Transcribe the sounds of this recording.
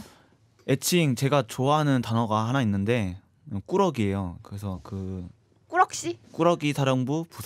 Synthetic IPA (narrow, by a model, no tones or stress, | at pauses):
e̞t͡ɕʰiŋt͡ɕe̞ɡat͡ɕoaɦanɯntanʌɡaɦanainːɯnde̞ | k͈uɾʌɡie̞jokɯɾesʰʌkɯ | k͈uɾk̚ɕ͈ik͈uɾʌɡisʰaɾjʌŋbupusʰ